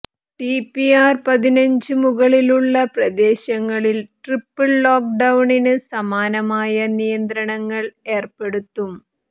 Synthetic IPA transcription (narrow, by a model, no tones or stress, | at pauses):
ʈipiaːrpɐðinɐɲd͡ʑɨmuɣɐɭiluɭːɐprɐd̪e̞ːɕɐŋːɐɭilʈripːɐɭːoːk̚ɖɐwɳinɨsɐmaːnɐmaːjɐnijɐnd̪ɾɐɳɐŋːɐɭe̞ːrpe̞ɽut̪ːum